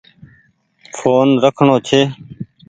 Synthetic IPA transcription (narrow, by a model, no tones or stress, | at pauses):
fʰoːnɾəkʰɳoːt͡ʃʰeː